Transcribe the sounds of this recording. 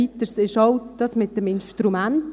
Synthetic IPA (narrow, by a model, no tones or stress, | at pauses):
it̪əɾsɪʃɔʊd̥ɑsmɪt̚dəmɪnʃtɾumænt